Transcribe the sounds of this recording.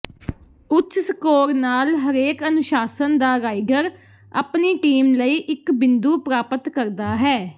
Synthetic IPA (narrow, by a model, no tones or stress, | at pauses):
ʊtʰsəkoːɾnaːlɦəɾeːkənʊʃaːsənd̪aːɾaːɪɡəɾ | a̰ːpniːʈiːmləiːʔɪkbɪnd̪uːpɾaːpət̪kəɾd̪aːɦɛː